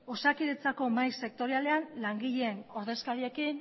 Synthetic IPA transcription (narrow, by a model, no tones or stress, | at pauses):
o̞sakiðet͡sako̞majse̞k̚t̪o̞ɾiale̞anlaŋɡiʎeːno̞ɾðe̞skaɾie̞kin